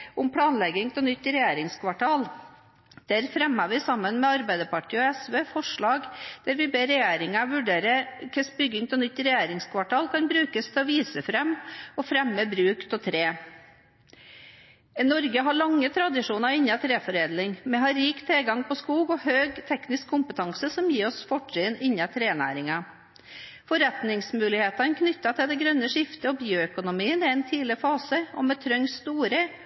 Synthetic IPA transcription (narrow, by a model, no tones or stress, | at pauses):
ʊmpʰɽɑːnlɛɡɪŋt̪ʰɛnʏt̪ːɾɛjeːɾɪŋskʰʋɑʈʰɑːl | d̪̥æɾfɾɛmɑʋɪsɑmːənmɛɑɾbæɪd̪əpɑʈiːɔɛsʋeːfɔʂɭɑːɡd̪̥æɾʋɪbeːɾɛjeːɾɪŋɑʋʉɖeːɾəkʰɛsbʏɡːɪŋt̪ʰɔnʏt̪ːɾɛjeːɾɪŋskʰʋɑʈʰɑːlkʰɑnbɾʉːkəst̪ʰɛɔʋiːsəfɾɛmɔfɾɛmːəbɾʉːkt̪ɔt̪ʰɾeː | nɔɾɡəɦɑɭɑŋːət̪ʰɾɑd̪ɪʂuːnɑɾɪɲːɑt̪ʰɾeːfɔɾeːd̪lɪŋmɛɦɑɾiːkt̪ʰelɡɑŋpɔskuːɡɔhøːɡt̪ʰɛknɪskʰːʊmpət̪ʰɑŋsəsɔmjiːɔsfɔʈʂiːnɪɲːɑt̪ʰɾeːnæ̰ːɾɪŋɑ | fɔɾɛt̪nɪŋsmʉːlɪheːt̪ɑnəkʰnʏt̪ːɑt̪ʰɪld̪ɛɡɾœnːəʂɪft̪əɔbjøːœkʊnʊmiːənɪɛnt̪ʰiːlɪfɑːsəɔ̰mɛt̪ʰɾœŋst̪uːɾə